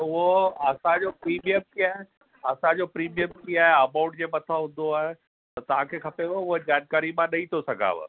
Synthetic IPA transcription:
ʊɦoɐsãd͡ʑopɾiːmijəmkiːaːɦe | ɐsãd͡ʑopɾiːmijəmkiːaːɦeɐmaʊ̃ɳʈd͡ʑeːmɐt̪ʰaɦʊ̃nd̪oaːɦe | t̪ɐt̪ɐʋ̤ãkʰeːkʰɐpeʋoʊɦed͡ʑaːnkaːɾimãnɐĩt̪ʰosɐɡʱa̰ːʋ̰

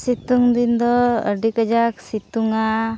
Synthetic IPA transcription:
sit̪uŋb̪ind̪ɔə̰ɖikəd͡ʒaksit̪uŋa

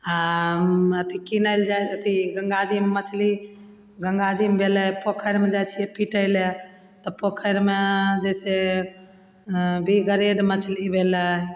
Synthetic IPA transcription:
a | ət̪ʰikinəld͡ʒajət̪iɡəŋɡad͡ʒimmət͡ʃʰli | ɡəŋɡad͡ʒimbʱeləjpokʰəɾmed͡ʒajt͡ʃʰijɛpiʈəjle | t̪ɔpokʰəɾmed͡ʒəjse | bʱiɡəɾeɖmət͡ʃʰlibʱelə

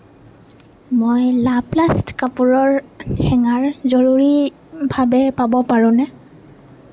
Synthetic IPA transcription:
mojlaplastkapuɹɔɹxɛŋaɹzɔɹuɹi | bʱabɛpabɔpaɹʊ̃nɛ

